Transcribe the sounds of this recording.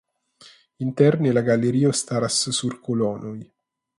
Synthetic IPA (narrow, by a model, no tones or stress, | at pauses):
int̪ɛrnilaɡaleɾiːost̪aɾassurkolɔːnoj